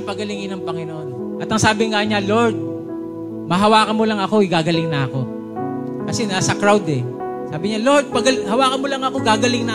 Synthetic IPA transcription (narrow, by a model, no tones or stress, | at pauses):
pɐɡɐlɪŋɪnɐŋpɐŋɪnoʔon | ʔɐt̪ɐŋsaːbɪŋaɲalo̞ɹd̪̚ | mɐɦɐwaːkɐmolɐŋɐko̞ɪɡaːɡɐlɪŋnɐɐko̞ | kɐsɛnasɐkɾawd̪ɛ | saːbɪɲaloɹd̪̚pɐɡɐlhɐwaːkɐmolɐŋɐkoɡaːɡɐlɪŋnɐ